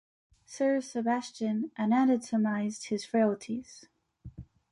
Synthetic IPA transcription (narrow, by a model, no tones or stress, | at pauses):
sɜ˞sɨbæst͡ʃɨ̃nʔɨ̃næɾɨdtəmaɪzd̚hɨz̥feɪl̩ˠtʰiz̥